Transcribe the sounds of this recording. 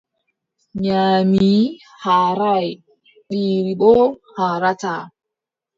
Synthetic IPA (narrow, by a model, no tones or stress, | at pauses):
ɲaːmii | haɾaj | ɗiːɾiɓɔhaɾata